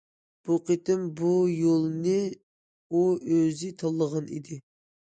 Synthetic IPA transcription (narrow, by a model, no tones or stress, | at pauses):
b̥uqət̪ɪmbujolˠnɨ | uøzɪt̪ʰɑlˠːəʁɑnḭd̪ɪ